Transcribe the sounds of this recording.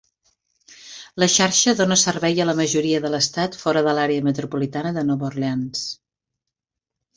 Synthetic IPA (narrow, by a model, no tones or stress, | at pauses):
ləʃaɾʃəðonəsərβɛjələməʒuɾiəðələst̪at̪fɔɾəðəlaɾeəmət̪ɾupulit̪anəðənoβurleans